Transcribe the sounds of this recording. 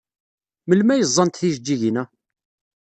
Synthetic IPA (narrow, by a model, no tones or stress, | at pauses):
məlmæjəzˤːɑnt̪θiʒd͡ʒːiʝnæ